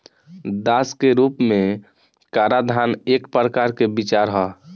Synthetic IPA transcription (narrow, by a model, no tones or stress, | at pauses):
d̪askeɾupme | kaɾad̪ʱanekpɾəkaɾkebit͡ʃaɾɦɔ